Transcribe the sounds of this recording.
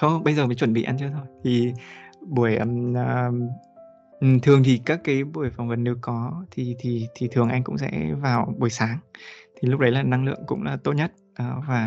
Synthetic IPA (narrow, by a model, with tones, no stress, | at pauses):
t̪ʰo˧ɓə˧jzəː˨˩mə˨˦jt͡ɕwə˧˩nɓḭ˧˨ʔa˧nt͡ɕɨ˧ət̪ʰo˧jt̪ʰi˨˩ɓu˧˩əjʔə˧˩mː˧˩ | ʔ̩˨˩t̪ʰɨ˨˩əŋt̪ʰi˨˩kaː˦˥kːaː˨˦jɓu˧˩əjfa˨˩wŋ͡mvə˨˩nːe˨˧˦wkɔ˨˦t̪ʰi˨˩t̪ʰi˨˩t̪ʰi˨˩t̪ʰɨ˨˩əŋʔa˧jŋ̟kʊ̰˧˥ŋ͡msɛ̰˧˥vaː˨˩wɓu˧˩əjsaː˨˦ŋt̪ʰi˨˩lʊ˦˥k͡p̚ɗə˨˦jlaː˨˩na˧ŋlɨ̰˧˨əŋkʊ̰˧˥ŋ͡mlaː˨˩t̪o˦˥t̚ɲə˦˥t̚ːvaː˨˩